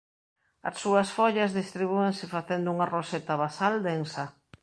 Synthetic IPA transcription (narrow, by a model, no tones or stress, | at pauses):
ɐ̰sːuɐsfoʎazðist̪ɾiβueŋsɪfaθend̪ʊuŋaroset̪aβasald̪ensɐ